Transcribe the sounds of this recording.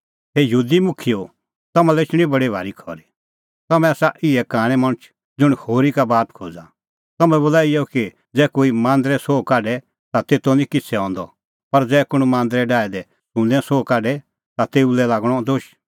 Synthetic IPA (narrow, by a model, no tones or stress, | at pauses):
ɦejɦuːd̪imʊkʰijo | t̪ɐmãlɛɪt͡ʃʰɽ̃ĩbɐɽibʱa̰ːɾikʰɔ̰ɾi | t̪ɐmɛ̃asaʔɪɛkaːɽ̃ɛmɐɽ̃ət͡ʃʰ | d͡zʊɽ̃hoːɾikabaːt̪kʰo̰ːd͡za | t̪ɐmɛ̃boːlaːijɔki | d͡zɛːkoːimãːnd̪ɾɛsoːkaːɖɛ | t̪at̪eːt̪onĩkɪt͡sʰɛɔ̃ːnd̪ɔ̰ | pɐɾd͡zɛːkʊɽ̃umãːnd̪ɾɛɖaːɛd̪ɛ | sũnd̪ɛ̃soːkaːɖɛ | t̪at̪eːulɛlaːɡɽ̃ɔd̪oʃ